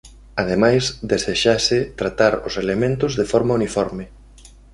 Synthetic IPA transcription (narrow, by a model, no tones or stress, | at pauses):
aðemajzd̪eseʃasɪt̪ɾat̪aɾʊselemẽnt̪ʊzðefɔɾmaunifɔɾmɪ